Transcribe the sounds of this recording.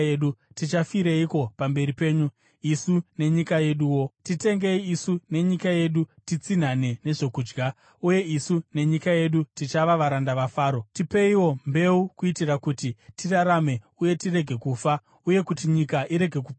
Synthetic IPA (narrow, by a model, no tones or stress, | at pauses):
eɗutit͡ʃafiɾeiko̞pambe̞ɾipe̞ːɲu | isune̞ɲikaje̞ɗuːwo̞tite̞ŋɡe̞iisune̞ɲikaje̞ɗutit͡sin̤ane̞ne̞ʐe̞kuːd͡ʒɡa | uje̞isune̞ɲikaje̞ɗutit͡ʃaʋaʋaɾandaʋafaːɾo̞tipe̞iwo̞mbe̞ukuitirakutitiraɾame̞ | uje̞tire̞ɡʱe̞kufa | uje̞kutiɲikaʔiɾe̞ɡʱe̞ku